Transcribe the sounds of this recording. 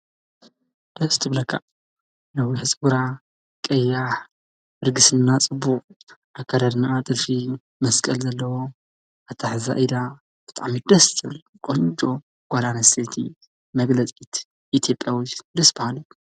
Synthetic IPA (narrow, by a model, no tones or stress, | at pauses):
d̪̥ɐst̪ʰɨβlɐkʰːa̰ | lɐwiħɨsʼɡuɾa | kʼɐjːaħ | ɨɾɡɨsɨnːat͡sʼɨbːuqʼʔakʰːaɾad̪naʔat̪ʼɨlfi | mɐskʼɐlzɐlːɐwo | at̪ʰaħza̰ʔid̪a | b̥ɨt̪ʼa̰ʕmid̪ɐst̪ʰɨβl | kʼont͡ʃʼo | ɡ̥ʷalanɐset̪ʰi | mɐɡlɐt͡sʼit̪ʰ | ʔit̪ʰjo̞pʼjawid̪ɐsbɐhalu